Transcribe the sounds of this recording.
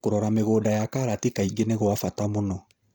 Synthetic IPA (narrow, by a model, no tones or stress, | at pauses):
kuɾɔɾameɡodajakaɾatikaiɡeneɡɔafatamũnɔ